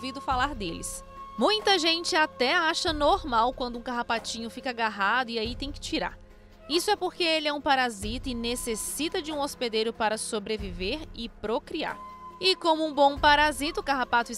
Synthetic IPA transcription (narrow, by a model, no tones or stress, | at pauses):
vid̪ʊfalaɾd̪elɪ̰s | mũj̃t̪ɐʒẽnt͡ʃɪat̪ɛaʃɐnoɾmawkwɐ̃nd̪ʊũkaɦapat͡ʃĩɲʊfikɐaɡaɦad̪ʊiait̪ẽj̃kɪ̥t͡ʃiɾa̰ɾ | isʊɛpoɾkeelɪɛũpaɾazit̪ʊɪnesesit̪ɐd͡ʒɪũosped̪ejɾʊpaɾɐsobɾeviveɾɪpɾokɾia̰ɾɪkõmʊũbõw̃paɾazit̪ʊkaɦapat̪ʊ